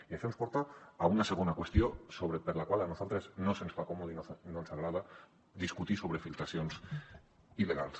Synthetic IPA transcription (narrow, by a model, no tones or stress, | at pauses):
iefemspoɾt̪aaunaseɣ̞onakwest̪josoβɾepeɾlakwalanuzalt̪ɾeznosensfakomoðinnonsaɣ̞ɾaða | d̪iskut̪isoβ̞ɾefilt̪ɾasijons | iðea̰lˠs